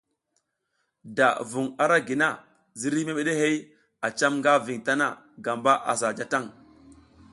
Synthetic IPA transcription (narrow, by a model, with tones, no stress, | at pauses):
da̰˨vu˨ŋa˨ɾa˦ɡi˨na˦ | zi˦ɾi˦me˦me˦ɗe˦he˦j | a˨t͡ʃa˦mŋɡa˦vi˨ŋta˦na˦˨ | ɡa˨mba˦ʔa̰˨s̬a˨d͡ʒa˨ta˦˨ŋ